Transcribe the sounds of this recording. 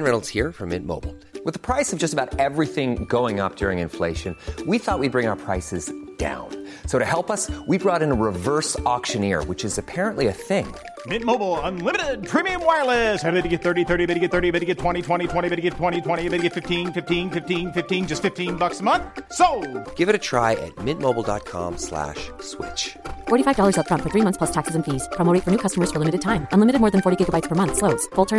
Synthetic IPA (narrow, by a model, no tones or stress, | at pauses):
nɹɛnl̩ˠz̥hiɹfʌ̰̃mɪ̰̃nmo̰ʊbl̩ˠ | wɨðəpʰɹ̥aɪsʌvd͡ʒʌstəbaʊɾɛvɹiθɪ̃ŋɡoʊɪ̃ŋʌ̰p̚d̥ʊɹɪ̃ŋɨ̃nfleɪʃɨ̃nwiθɔʔ̚wid̚bɹɪ̃ŋaʊə˞pʰɹ̥aɪsɨzd̥ã̰ʊ̃n | soʊɾɨhɛlˠpʌswibɹɔɾɨ̃nəɹɪvɜ˞sɔkʃɨ̃nɪ̰ɹwɨt͡ʃɨzɨpʰɛɹə̃nʔliɨθɪ̃ŋ | mɪ̃t̚moʊbl̩ˠə̃nlɪ̃mɨɾɪd̚pʰɹ̥imiɨ̃mwaɪlˠɪshæbeɾɨɡɛt̪̚θɜ˞ɾiθɜ˞ɾibɛɾɨɡɛt̪̚θɜ˞ɾibɛɾɨɡɛtʰw̥ɛ̃ɾ̃itʰw̥ɛ̃ɾ̃tʰw̥ɛ̃ɾ̃ibɪɾɨɡɛtʰw̥ɛ̃ɾ̃itʰw̥ɛ̃ɾ̃ibɪɾɨɡɛtfɪftʰĩnfɪftĩnfɪftĩnfɪftĩnd͡ʒʌstfɪftĩnbʌksəmʌ̃nθθsoʊɡ̥ɪvɨɾɨtʰɹ̥a̰ɪʔɨ̰t̚mɪ̃nt̚moʊbl̩ˠdɑ̰t̚kʰɑ̰̃mslæ̰ʃswɪ̰t͡ʃfɔɹɾifaɪvdɔlˠə˞zətfɹʌ̃ntfə˞θɹimʌ̃nθpʰlʌstʰæksɨzɨ̃n̩fiz̥pʰɹ̥ɑmoʊɾeɪtfə˞nʉkʰʌstəmə˞z̥fə˞lɪmɨɾɨd̚tʰãɪ̃mʔʌ̃nlɪmɨɾɨd̚mɔːɹðɨ̃n̩fɔɹɾiɡɪɡəbaɪtspʰə˞mʌ̃nθsloʊdz̥fʊlˠtʰɜ̃˞